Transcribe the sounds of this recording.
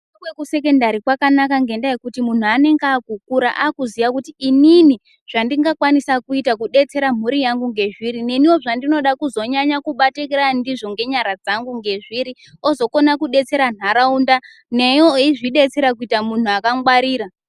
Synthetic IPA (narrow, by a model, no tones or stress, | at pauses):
awekuse̞ke̞ndaɾikwakanakaŋɡe̞ndajekutimun̤uane̞ŋɡaːkukuɾaʔakuziʋakutiːnini | ʐ̥andiŋɡakwanisakuitakuɗe̞t͡se̞ɾam̤uɾijaŋɡuŋɡe̞ʐiɾine̞niwo̞ʐandino̞ɗakuzo̞ɲaɲakuɓatekeɾandiʐo̞ŋɡe̞ɲaɾad͡zaŋɡuŋɡe̞ʐiɾi | o̞zo̞ko̞nakuɗe̞t͡se̞ɾan̤aɾaunda | ne̞joiʐiɗe̞t͡se̞ɾak̬uitamun̤uakaŋɡwaɾiːɾa